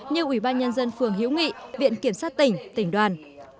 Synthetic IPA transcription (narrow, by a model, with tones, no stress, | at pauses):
ɲɨ˧ʔwi˧˩ɓaː˧nɲə˧nzə˧nfɨ˨˧˩əŋɦḭ˧˥wŋḭ˧˨vḭ˧˨ənki˧˩əmsaː˦˥t̚t̪ï˧˩ŋ̟t̪ï˧˩ŋ̟ɗwaː˨˩n